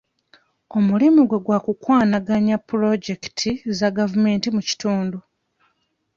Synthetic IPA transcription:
o̞mulimiɡwe̞ɡwakukwaːnaɡaɲapːuɾo̞ɟe̞ktʰizaɡavume̞ːntimuci̥tuːndu

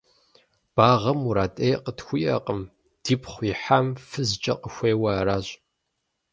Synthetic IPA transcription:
b̥aːʁɐmuɾaːtʼejqətxʷʊjɐ̰qəm | d̥iːpʰχʷiħaːmfɨzt͡ʃʼɐ̰qəxʷeːwɐɾaːɕʼ

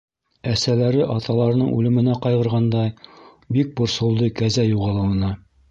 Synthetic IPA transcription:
æsælæɾɘʔɑt̪ɑlˠɑɾɤ̆nɤɴʉ̰lɘ̆mɘ̆næqɑjʁɤ̆ɾʁɑnd̪ɑj | bik̚bŏɾsŏlˠd̪ɤkæzæjuʁɑlˠɤ̆wɤ̆nɑ

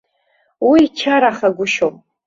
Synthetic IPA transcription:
wiːt͡ʃʰaɾaχaɡʷʊʃopʼ

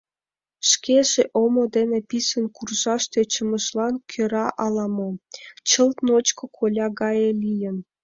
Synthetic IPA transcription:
ʃkeʒeʔomod̪enepisənkurʒɑʃt̪et͡ɕəmə̆ʃlɑnkʰøɾɑʔɑlɑmot͡ɕəlt̪not͡ɕkŏkʰolʲɑɣɑjelʲijən

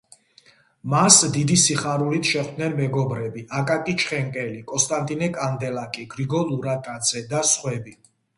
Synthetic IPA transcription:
masd̪id̪isiχaɾulit̪ʰʃɛχd̪nɛnmɛɡɔbɾɛbiʔakʼakʼit͡ʃʰχɛŋkʼɛlikʼɔnst̪ʼant̪ʼinɛkʼand̪ɛlakʼiɡɾiɡɔluɾatʼad̪z̥ɛd̪asχwɛbi

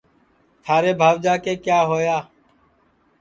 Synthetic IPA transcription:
t̪ʰaːɾeːbʱaːʋd͡ʒaːkeːkjaːɦoːjaː

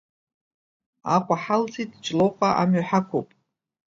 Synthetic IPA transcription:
aqʷʼaħalt͡sʰʼitʼt͡ʃʼloqʷʼaʔamɥaħakʷʰopʼ

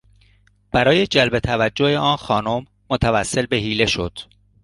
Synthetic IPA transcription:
b̥æɾɒːje̞d͡ʒælbe̞t̪ʰævæd͡ʒːoheɒːnxɒːnomːot̪ʰævæsːe̞lbe̞ɦiːle̞ʃo̞̰d̪̥

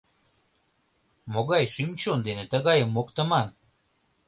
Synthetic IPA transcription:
moɣɑjʃymt͡ɕond̪enet̪əɣɑjəmːokt̪ə̆mɑn

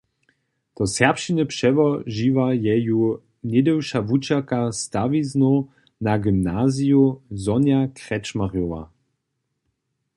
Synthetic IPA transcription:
t̪ɔsɛʁpʃinʲəpʂɛvɔʒivajɛju | nɛd̪ɛwʃavut͡ʃakast̪avizno | naɡimnazijuzɔnjakʁɛt͡ʃmaʁjɔwa̰

